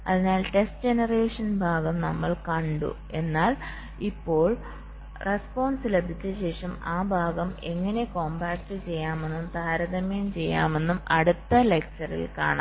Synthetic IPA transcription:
ɐ̰ðinaːlʈe̞sʈd͡ʑenɐreːʂɐnbʱaːɡɐmnɐmːɐɭkɐɳɖṵ | e̞nːaːl | ipːo̞ːɭ | re̞spo̞ːnsilɐd̪ʱit͡ɕːɨɕe̞ːʂɐmaːbʱaːɡɐme̞ŋːɐne̞ko̞ːmbaːkʈːɨt͡ɕe̞jːaːme̞nːumt̪aːɾɐðɐmeːnt͡ɕe̞jːa̰ːme̞nːumɐ̰ɽut̪ːɐle̞k̚t͡ɕɐrḭlka̰ːɳa̰

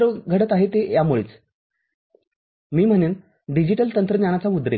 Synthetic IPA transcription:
ɾəɡʱəɽət̪aɦet̪ejamuɭḛːt͡s | miːm̤əɽ̃uːn | ɖid͡ʑiʈəlt̪ənt̪ɾənjañat͡saud̪ɾḛ

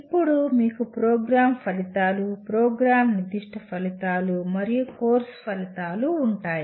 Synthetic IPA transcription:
ippːuɽumiːkupɾoːɡɾaːmpɐlit̪aːlupɾoːɡɾaːmnid̪iʂʈʰɐpɐlit̪aːlumɐɾijukoːɾspɐlit̪aːluːɳʈaːji

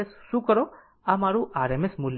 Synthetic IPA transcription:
esːukɔɾɔ | amaɾuʔaɾemesmul

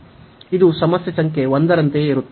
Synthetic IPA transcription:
id̪usɐmɐsjɐsɐŋke̞ʋond̪ɐɾɐnt̪eiɾut̪ː

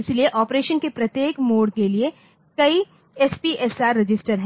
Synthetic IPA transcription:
ɪslieʔɔːpɾeːʃənkepɾɐt̪jeːkmoːɽkelie | kɐi | ɛspiʔɛsaːɾːɪd͡ʒɪsʈəɾɦɛ̃

